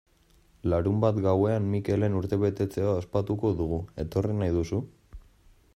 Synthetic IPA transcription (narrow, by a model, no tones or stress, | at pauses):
laɾumbat̪ɡawe̞anmike̞le̞nuɾt̪e̞βe̞t̪e̞t͡se̞aospat̪uko̞ðuɣ̞ue̞t̪o̞rinajðusu